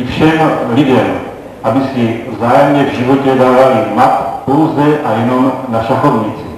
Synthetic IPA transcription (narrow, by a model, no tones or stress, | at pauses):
fʃɛmlid̪ɛm | ʔabisivzaːjɛmɲɛvʒiʋɔcɛd̪aːvalimat̪pɔwzɛʔajɛnɔmnaʃaxɔvɲit͡si̥